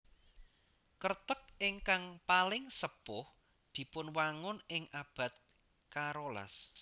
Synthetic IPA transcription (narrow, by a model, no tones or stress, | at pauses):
kərt̪ək̚ɪŋkaŋpalɪŋsəpʊh | d̪̥i̤pʊnwaŋʊnɪŋʔab̥ä̤t̪̚ | kaɾola̰s